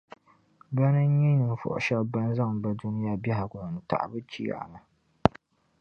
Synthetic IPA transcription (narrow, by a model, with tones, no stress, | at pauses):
ba˦nɨ˦ɲɛ˦nɨ˨m˨fɔ̰˨ʔʊ̰˨ʃa˦lba˦n˦za˦˨ŋ˨ba˦du˦nɨ˦ja˦bɛ˦ɦa˨ɡɔ˨nɨ˨ta̰˨ʔa̰˨bɨ˦t͡ʃḭː˦a̰˨a̰˨na˨